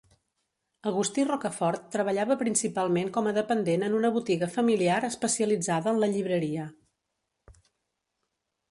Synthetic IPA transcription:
əɣust̪irɔkəfɔrt̪ːɾəβ̞əʎaβəpɾinsipalˠmeŋkɔməðəpənd̪enənunəβut̪iɣəfəmiliaɾəspəsiəlid͡zaðəːnləʎiβɾəɾiə

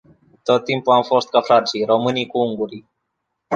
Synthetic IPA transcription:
t̪ot̪ːimpuamfost̪̚kafɾasiɾomɨnikuuŋɡuɾi

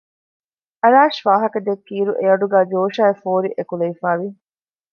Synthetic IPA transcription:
ɐɾaːʃʋaːɦɐkɐd̪ekːiːɾuʔeɐɖuɡæːd͡ʒoːʃaːefoːɾiʔekuleifaːʋi

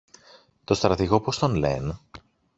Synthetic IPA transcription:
t̪o̞st̪ɾɐt̪iɣo̞post̪o̞nlḛn

